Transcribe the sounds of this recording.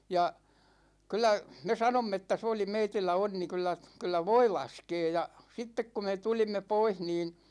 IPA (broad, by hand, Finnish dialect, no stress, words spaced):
jɑ kylˑæ me sɑnomː etːæ se oli meitilːæ onːi kylːæ kylːæ ʋoi lɑskeː jɑ sitːek ku me tulimːe poih niːn̞